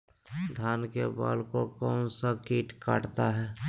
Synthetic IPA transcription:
d̪ʱaːnkeba̰ːlkokɔːnsakiːʈka̰ːʈt̪aɦɛː

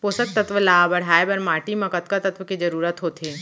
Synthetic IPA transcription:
poːsək̚t̪ɐt̪ʋəlaːbɐɽ̤aːəbɐɾmaːʈimɐkət̪kət̪ɐt̪ʋəkid͡ʒɐɾuːɾət̪ɦoːt̪ʰeː

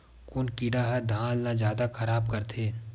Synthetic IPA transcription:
kʊnkiɽaɦɛd̪ʱãːlnazjaːd̪akʰɐɾaːb̚kɐɾt̪ʰeː

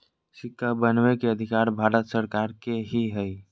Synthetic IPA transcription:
sɪkʰːabənwekeəd̪ʱɪkaːɾbʱaːɾət̪səɾkaːɾkeɦiɦɛi

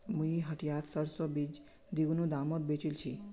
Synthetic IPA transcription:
muiɦəʈʰijat̪səɾsobid͡ʒ | d̪iunũd̪amot̪̚bet͡ʃilt͡ʃʰi

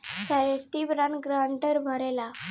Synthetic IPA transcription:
saɾesʈibɾanɡɾaɳʈəɾbʱəɾɛla

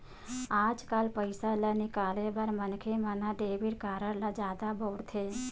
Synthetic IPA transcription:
aːd͡ʒkalpəɪsalənikaːlebəɾmənkʰemãnad̪eʋiɽkaːɾəɽlad͡ʒjaːd̪aboɽt̪ʰe

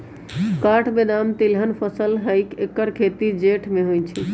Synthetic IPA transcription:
kaʈʰbed̪amt̪ilɦənpʰəsəlɦəjkekəɾkʰet̪id͡ʒeʈʰmeɦojt͡ʃʰi

